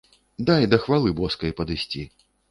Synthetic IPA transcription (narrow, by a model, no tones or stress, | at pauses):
d̪ajd̪ɐxvalˠɨbɔskɐjpɐd̪ɨsʲt͡sʲi